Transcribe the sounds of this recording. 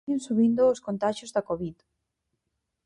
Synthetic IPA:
ɪ̃nsuβind̪ʊːskõnt̪aʃozðɐkoβið

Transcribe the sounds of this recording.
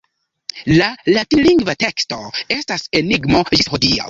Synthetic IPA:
lalatiliŋɡvate̞ksto̞e̞stase̞niɡmo̞d͡ʒishodia̰

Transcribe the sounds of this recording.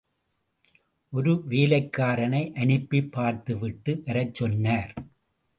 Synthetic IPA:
ʔɔɾɯʋeːlɐɪkːaːɾɐnɐɪʔɐɳɪpːipːaːɾt̪ɯʋɪʈːɯʋɐɾɐt͡ʃːɔnːaːɾ

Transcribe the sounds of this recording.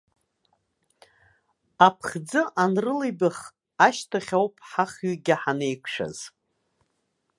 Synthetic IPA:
apʰχd͡zɨʔanrɨlejbɨχ | aʃtʰaχʲowpʼʰħaχɥʏɡʲɪħanejkʷʰʂa̰z̥

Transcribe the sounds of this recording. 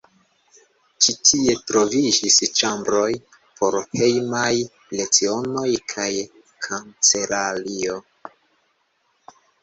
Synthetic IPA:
t͡ʃitʰie̞tɾo̞vid͡ʒist͡ʃambɾo̞j | pʰo̞ɾhe̞jmaj | le̞t͡sio̞no̞jkʰaj | kʰant͡se̞lalio̞

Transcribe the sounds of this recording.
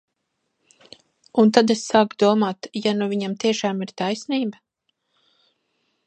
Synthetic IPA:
unt̪ad̪esːaːkd̪uɔmaːt̪januvʲiɲamt̪iɛʃaːmiɾt̪ajsniːba

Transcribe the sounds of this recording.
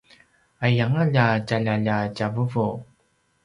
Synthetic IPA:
ajaŋaʎacaʎaʎacavuvu

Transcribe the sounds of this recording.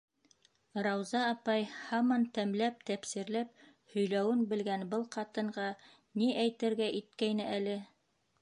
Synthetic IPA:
ɾɑwzɑːpɑjhɑmɑnt̪æmlæp̚t̪æpsiɾlæp | hɵ̆jlæwɘnbɘ̆lɡænbɤlˠqɑt̪ɤ̆ɴɢɑ | niʔæjt̪ɘ̆ɾɡæʔit̪̚kæjnɘʔælɘ

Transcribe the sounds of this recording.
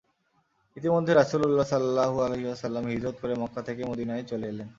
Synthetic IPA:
it̪imod̪ʱːeɾasululːasɔllːaɦualeɦiwasəlːamɦid̪ɾot̪̚koɾemɔkːat̪ʰekemod̪inaet͡ɕoleelen

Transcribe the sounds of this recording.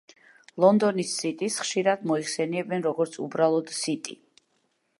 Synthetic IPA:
lˠɔnd̪ɔnisːit̪ʼisχʃiɾad̪mɔiχsɛniɛbɛnɾɔɡɔɾt̪sʰṵbɾalˠɔd̪̥sit̪ʼi

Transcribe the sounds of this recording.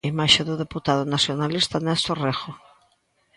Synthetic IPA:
imaʃeðoðeput̪aðonasjonalist̪anɛsorexo

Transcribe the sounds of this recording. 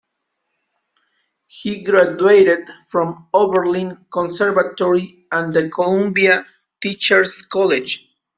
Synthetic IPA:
hiɡɾadueɾɪd̪fɾɔ̃movəɹlĩnkɔ̃nsɛɹvat̪ɔɹi | ãnd̪əkʰolũmbia | t̪it͡ʃəɹskɔled͡ʒ

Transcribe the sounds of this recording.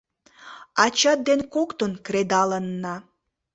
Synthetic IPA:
ɑt͡ɕɑt̪̚d̪enkokt̪onkɾed̪ɑlənːɑ

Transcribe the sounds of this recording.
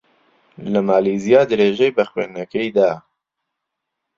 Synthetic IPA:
ləmaːlizijɑːd̪ɨɾeːʒejbəxwḛːnɛkɛjd̪aː

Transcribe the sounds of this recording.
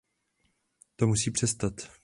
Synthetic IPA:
t̪omusiːpr̝̥ɛst̪at̪

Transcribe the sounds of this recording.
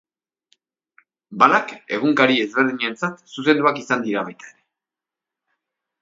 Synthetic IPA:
balake̞̰ɣ̞uŋkaɾie̞zβe̞ɾðiɲant͡sat̪suse̞nd̪uakisand̪iɾaβajt̪ḁeɾe̞

